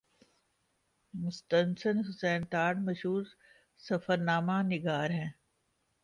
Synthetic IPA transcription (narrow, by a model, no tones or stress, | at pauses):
mʊst̪ənsənɦʊsɛːnt̪aːɽmɐʃɦuːɾ | sɐfəɾnaːmanɪɡaːɾɦɛ̃ː